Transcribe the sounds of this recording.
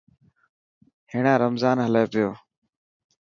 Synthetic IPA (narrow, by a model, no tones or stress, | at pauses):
hɪːɳãːɾəmzaːnɦəleːpɪjoː